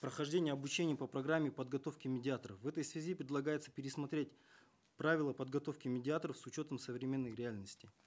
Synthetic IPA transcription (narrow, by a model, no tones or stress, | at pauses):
pɾəxɐʐdʲenʲɪjəɐbʊt͡ɕenʲɪjəpəpɾɐɡɾamʲːɪpəd̪ɡɐt̪o̞fkʲɪmʲɪdʲɪat̪əɾəfvɛt̪əjsvʲɪzʲipɾʲɪd̪lˠɐɡajɪt̪sə̥pʲɪɾʲɪsmɐt̪ɾʲetʲ | pɾavʲɪlˠəpəd̪ɡɐt̪o̞fkʲɪmʲɪdʲɪat̪əɾəfsʊt͡ɕo̞t̪əmsəvɾʲɪmʲe̞nːəjɾʲɪalʲnəsʲtʲɪ